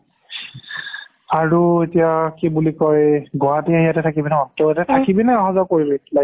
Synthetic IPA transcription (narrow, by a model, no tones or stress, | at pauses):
aɹuetijakibulikɔjɡɔɦatiaɦijatɛtʰakibinɔteatɛtʰakibinɛɔɦazɔkoɹibɛla